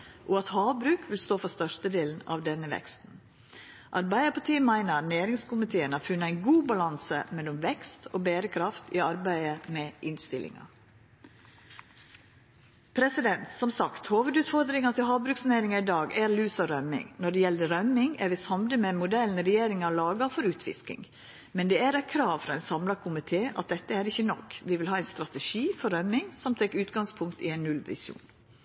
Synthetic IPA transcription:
ʔɔɑt̪hɑːʋbɾʉːkʰʋɪlst̪oːfɔst̪œʂt̪əd̪eːln̩ɑ̰ʋd̪ɛnəʋɛ̰kst̪n̩ | ʔɑɾbæɪəpʰɑʈ̪ʰiːəmæɪnəɾneːɾɪŋskʊmɪt̪ʰeːənæːɾfʉnːəæɪnɡuːbɑlɑnsə̰mɛlːɔmʋɛkst̪oːbeːɾəkʰɾɑft̪iːɑɾbæɪəmɛʔɪnst̪ɪlʔɪ̰ŋɑ̰ | pʰɾɛsɪd̪ɛnt̪sɔmsɑkt̪hoːʋəd̪ʉːt̪fɔɾd̪ɾɪŋɑt̪ʰɪlɦɑːbɾʉksneɪɾɪŋɑɪd̪ɑːɡæɾlʉːsɑɾœmɪ̰ŋnɔɖɛjɛlːəɾœmɪŋæɾʋɪsɑmd̪əmɛmʊd̪ɛln̩ɾɛjeːɾɪŋɑlɑːɡɑfɔɾʉːt̪ʰʋɪ̰skɪ̰ŋ | mɛnd̪ɛæɾɛkʰɾɑːʋfɾɑɛɪnsɑmlɑkʰʊmɪt̪ʰeːʔɑ̰t̪̚d̪ɛt̪ːəæɾɪçːənɔkʋɪʋɪlɦɑːɛɪnst̪ɾɑt̪ɛʃiːfɔɾœmɪŋsɔmt̪ʰɛkːʉːt̪̚ɡɑŋspʰʊŋkt̪ɪ̰ɛɪnːʉlʋɪ̰sṵːn

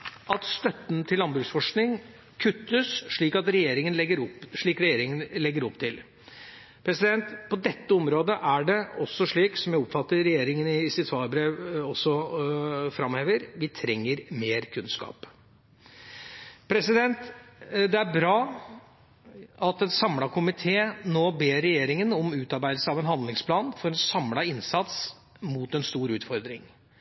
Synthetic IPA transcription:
ʔɑt̪st̪œt̪ːənt̪ʰɪlːɑnbɾʉːsfɔʂknɪŋ | kʰʉt̪ːəsʂɭiːkɑt̪ɾɛjeːɾɪŋənlɛɡːəɾʊpːʂɭiːkɾɛjeːɾɪŋənlɛɡːəɾɔpt̪ʰɪl | pʰɾɛsɪd̪ɛnt̪pʰɔd̪ɛt̪ːəɔmɾoːd̪əʔæɖɛɔsːɔʂɭiːksɔmjæɪɔpfɑt̪ːəɾɾɛjeːɾɪŋənɪsɪt̪ʰʋɑːɾbɾeːʋɔsːɔ | fɾɑmheːʋəɾʋɪt̪ʰɾɛŋːəɾmeːɾkʰʉnskɑ̰ːp | pʰɾɛsɪd̪ɛnt̪d̪ɛæɾbɾɑː | ʔɑt̪ɛnsɑmlɑkʰʊmɪt̪ʰeːnoːbeːɾɛjeːɾɪŋənɔmʉːt̪ɑɾbæɪd̪l̩səɑːʋɛnhɑnd̪lɪŋspʰlɑːnfɔɾɛnsɑmlɑɪnsɑt̪s | muːt̪ɛnst̪uːɾʉːt̪fɔɾd̪ɾɪ̰ŋ

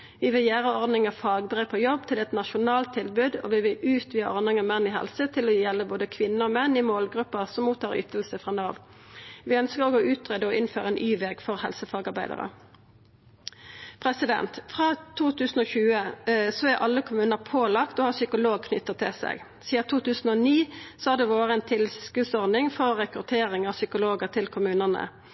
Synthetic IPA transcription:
ʋɪʋɪljæːʁəɔʁd̪nɪŋəfɑːɡbʁeːpʰɔjɔbt̪ʰɪlɛt̪nɑʃʊnɑːlt̪ʰːɪlbʉd̪ɔ̰ʋɪʋɪlʉːt̪ʰʋiːəʔɔʁd̪nɪŋəmɛnːɪɦhɛ̰lsət̪ʰɪlɔjɛlːəboːd̪əkʰʋɪnːəʁɔmɛnːɪmoːlɡʁʉpːəʁsɔmmuːt̪ʰːɑːʁʏ̰t̪əlsəfʁɑːnɑːʋ | ʋɪœnskəʁoːɡɔʉːt̪ʁeːd̪əɔʔɪnføːʁəɛnʔyːʋɛɡfɔʁhɛlsəfɑːɡɑʁbæɪd̪ə̰ʁə̰ | pʰʁɛsɪd̪ɛ̰nt̪fʁɑːt̪ʰuːt̪ʰʉːsn̩oːçʉːəsɔæʁʔɑlːəkʰʊmʉːnəʁpʰoːlɑkt̪oːhɑsʏkʊloːɡ̚kʰnʏt̪ːət̪ʰːɪsɛ̰ɡ | siːɑt̪ʰuːt̪ʉːsn̩ɔniːsɔɑd̪ɛːʋoːʁəɛnt̪ʰɪlskʉd̪sɔʁd̪ɪŋfɔʁʁɛkʁʉt̪ʰeːʁɪŋɑʋsʏkʊloːɡəʁt̪ʰɪlkʰʊmʉːnənə̰

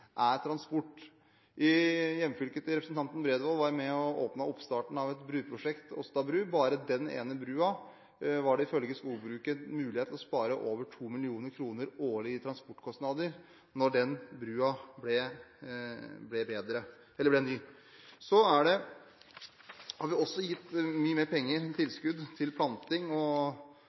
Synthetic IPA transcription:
ʔæɾt̪ʰɾɑnspʊʈː | ʔɪjɛmːfʏlkət̪əɾɛpɾəsn̩t̪ɑnt̪n̩bɾeːd̪ʋɑːlʋɑɾmɛɔʔo̰ːpnɑɔpst̪ɑːʈɳ̩ɑʋɛt̪bɾʉːpʰɾʊʂɛkt̪ɔ̰st̪ɑbɾʉːbɑːɾəd̪ɛnḛːnəbɾʉːɑ | ʋɑɖɛɪfœlɡəskuːlbɾʉːkənmʉːlɪheːt̪lɔspɑːɾəʔoːʋəʈʰuːmɪlɪuːnəɾkʰɾuːnəɾoːlɪɪt̪ʰɾɑnspɔʈːkʰɔsnɑːd̪əɾ | nɔɖɛnbɾʉːɑblɛ | blɛbeːd̪ɾə | ɛləbɽɛnyː | sɔæɖɛ | hɑɾʋɪɔsːɔjɪt̪ːmyːəmeːɾpʰɛŋːəɾt̪ʰɪlskʉd̪t̪ʰɪlpʰlɑnt̪ɪŋɔ

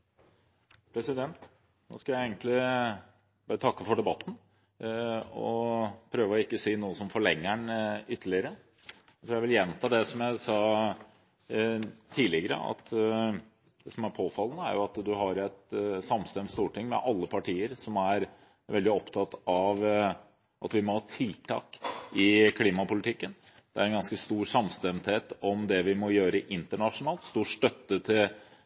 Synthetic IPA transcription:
pʰɾɛsɪd̪ɛnt̪ | no̰ːskɑljæɪɛɪɡənt̪lɪ | bɑːɾət̪ʰɑkːəfɔɖɛbɑt̪ːn̩ | ɔpʰɾøːʋəɔɪkːəsiːnuːəsɔmfɔɭɛŋːəɳʏt̪ːəɭɪəɾə | t̪ɾuːjæʋɪljɛnt̪ʰɑːd̪ɛsɔmjæɪsɑː | t̪ʰiːlɪɡəɾə̰ɑ̰t̪ | d̪̥ɛsɔmæɾpʰoːfɑlːənəæ̰ɾjʊɑt̪d̪ʉɦɑɾɛt̪sɑmst̪ɛmt̪st̪uːʈʰɪŋmɛ̰ʔɑlːəpʰɑʈʰiːəɾsɔmæɾ | ʋɛld̪ɪɔpt̪ʰɑt̪ːɑʋ | ʔɑt̪ʋɪmɔhɑːt̪ʰɪlt̪ʰɑ̰ːkɪkʰliːmɑpʊlɪt̪ʰɪkːən | d̪̥ɛæɾɛnɡɑnskəst̪uːɾsɑmst̪ɛmt̪heːt̪ɔmd̪ɛʋɪmɔjøːɾəɪʔɪnt̪əɳɑʂʊnɑːlt̪st̪uːʂt̪œt̪ːət̪ʰɪl

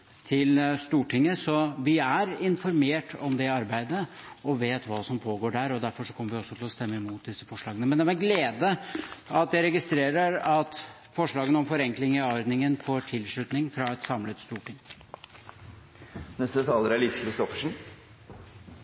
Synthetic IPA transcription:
t̪ʰɪlst̪uːʈʰɪŋːəsɔʋɪæɾɪnfɔɾmeːʈʰɔmd̪ɛɑɾbæɪd̪əɔʋeːt̪ʋɑːsɔmpʰoːɡoːɖæɾɔd̪æɾfɔʂɔkʰɔmːəɾʋɪɔsːɔt̪ʰɪlɔst̪ɛmːəɪmuːt̪̚d̪ɪsəfɔʂɭɑːɡənəmɛnd̪ɛmæɡleːd̪əɑt̪̚d̪ɛɪɾɛɡɪst̪ɾeːɾəɾɑt̪ | fɔʂɭɑːɡənɔmfɔɾɛŋklɪŋɪɔɾd̪nɪŋənfoːɾʈʰɪlʂɭʉt̪nɪŋfɾɑɛt̪sɑmlət̪st̪uːʈɪŋː | nɛst̪ət̪ʰɑːləɾæɭiskʰɾɪst̪ɔfəʂn̩

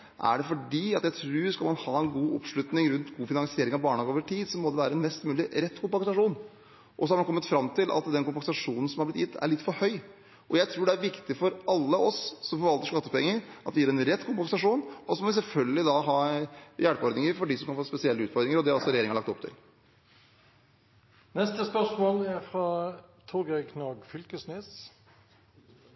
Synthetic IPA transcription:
ʔæ̰ɖɛfɔɖiːɑt̪jæɪt̪ʰɾʉːskɑlmɑnhɑːɛnɡuːɔ̰pʂɭʉt̪nɪŋɾʉnt̪ɡuːfɪnɑŋsɪeːɾɪŋɑʋbɑːɳɑɡəoːʋəʈʰiːd̪sɔmːɔd̪ɛʋæːɾəɛnmɛst̪mʉːlɪɾɛt̪ːkʊmpɑŋsɑʂuːn | ʔɔsɔhɑɾmɑnkɔmːət̪fɾɑmːt̪ʰɪlʔɑ̰t̪d̪ɛnkʊmpɑsɑʂuːnn̩sɔmhɑɾblɪt̪jɪt̪ʰːæ̰ɭɪt̪ːfɔɾhœʏ | ʔɔjæɪt̪ʰɾuːɖɛæɾʋɪkt̪ɪfɔɾɑlːəʔɔssɔmfɔɾʋɑlt̪əʂkɑt̪ːəpʰɛŋːəɾʔɑt̪ʋ̪ɪjeːɾɛnɾɛt̪ːkʰʊmpɑŋsɑʂuːnɔsɔmɔʋɪs̬ɛlfœlɡəlɪd̪ɑɦɑːjæːɽpɔɾd̪nɪŋəɾfɔɖɪsɔmkʰɑnfoːspɛsɪɛlːəʉːt̪fɔɾd̪ɾɪŋəɾɔd̪ɛhɑɾɔsɔɾɛjeːɾɪŋɑɾɭɑkt̪ɔpt̪ʰɪ̰l | nɛst̪əspœʂmoːlæfɾɑt̪ʰoɡɛkʰnoːɡfʏlkəsnyːs

